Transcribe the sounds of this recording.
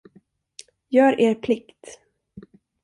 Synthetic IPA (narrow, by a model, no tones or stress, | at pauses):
jœːɾeːɾpʰlɪkt̪